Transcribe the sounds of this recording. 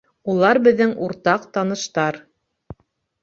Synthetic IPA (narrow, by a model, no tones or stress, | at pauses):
ulˠɑɾbɘ̆ðːɘŋuɾt̪ɑqt̪ɑnɤ̆ʃt̪ɑɾ